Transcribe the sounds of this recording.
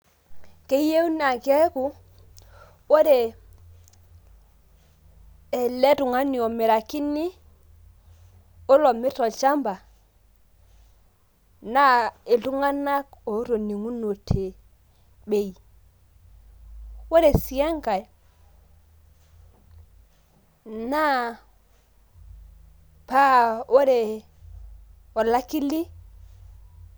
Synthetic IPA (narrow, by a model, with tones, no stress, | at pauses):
ke˨˦je˦u˦na˨ke˦ku˨ | wo˦ɾe˨ | e˨le˦tu˨ŋa˦ni˨o˨me˨ɾa˨ki˦ni˦ | o˦lo˨mi˦to˨t͡ʃa˦mba˨ | na˦e˨lu˦ŋa˦na˦k̚o˨˦ɾo˨ni˨ŋu˦no˨tʰe˨ | ɓe˦˨ji˨ | wo˦ɾe˨si˨a˦ŋɡa˨j | na˦ | pa˦ʔo˦ɾe˨ | o˨la˦ki˦li˦